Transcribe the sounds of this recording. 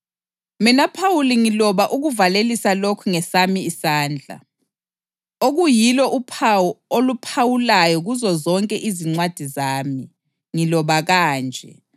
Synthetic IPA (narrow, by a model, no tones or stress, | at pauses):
minapʰawuliŋilɔβaʔuɣuvalelisalokʰuŋɛsamiisaːnd͡ɮʱa̰ | oɣujilɔʔupʰawɔolupʰawulajɔɣuzɔzɔŋkʼɛʔiziŋ͡ǀwad̥ʱizaːmi | ŋilɔβaɣaːnd͡ʒʱɛ̰